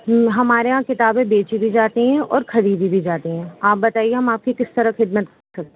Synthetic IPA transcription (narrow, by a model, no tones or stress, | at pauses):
ɦɐmaːɾeɦãkɪt̪aːbẽbeːt͡ʃibʱid͡ʒaːt̪eɦɛ̃ʔɔːɾkʰɐɾiːb̪ibʱid͡ʒaːt̪eɦɛ̃ːaːp̚bɐt̪aːieɦɐmaːp̚kikɪst̪ɐɾəxɪd̪mət̪kɐɾsɐk̚t̪ẽ